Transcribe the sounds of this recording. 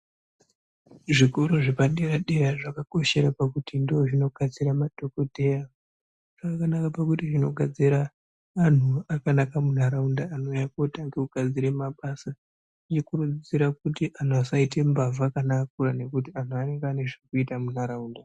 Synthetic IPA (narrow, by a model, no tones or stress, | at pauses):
ʐiko̞ɾo̞ʐipaɗeɾaɗeraʐakako̞ʃe̞ɾapakutindooʐino̞ɡʱad͡ziɾamadʱo̞kodʱeja | ʐ̥akkanakapakutiʐino̞ɡʱad͡ziɾaː | n̤uakanakamun̤aɾaundaːnojakotaŋɡeuɡʱad͡ziɾe̞maɓasa | ʐit͡ʃikurud͡ziɾak̚utiʔan̤uasaite̞mbavakanaːk̚uɾane̞kut̬ian̤uane̞ŋɡeane̞ʐekuitamun̤aɾaunda